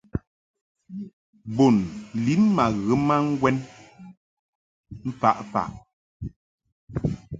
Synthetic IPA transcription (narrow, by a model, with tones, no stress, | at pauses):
bo˨nli˨˦m˦ma˨ɣə˨˦ma˦ŋ̩˦ɡwɛ˦n | m̩˦pa̰˦ʔfa̰˨ʔ